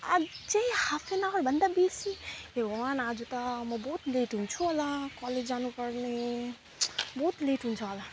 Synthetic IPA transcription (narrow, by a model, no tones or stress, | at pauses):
a̰t͡ʃeihafʰenaɔɾbənd̪abiːsieʋanaːd͡ʒut̪amɐboːt̪leːʈɦũnt͡ʃʰualakɔleːd͡ʒaːnupəɾne | boːt̪leːʈɦũnt͡ʃʰuala